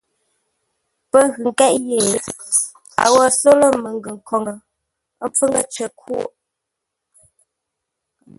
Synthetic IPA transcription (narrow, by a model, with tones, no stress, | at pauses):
pə˦ɣʉ˨ŋ˨kɛ˦ʔje˨˦ | a̰˨wə˦˨so˦lə˦mə˨ŋ˦ɡə˨ŋ̩˨kʰɔ˨ŋə˨˦ | m˦p͡fə˦ŋə̰˦t͡ʃə˨kʰṵ˦˨ʔ